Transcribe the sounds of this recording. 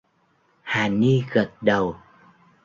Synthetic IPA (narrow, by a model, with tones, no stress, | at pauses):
haː˨˩ni˧ɣə˨˩t̚ɗə˨˩w